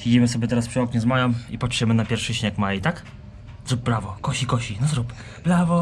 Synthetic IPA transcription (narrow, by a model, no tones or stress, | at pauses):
vʲid͡ʑimɘsɔbʲjɛt̪ɛɾaspʂɨɔkɲɛzmajɔmipɔt͡ʂjɛmɘnapʲjɛɾfʂɘɕɲekmajit̪ak | zɾup̚bɾavɔkɔɕikɔɕinɔzɾup | b̥ɾavɔ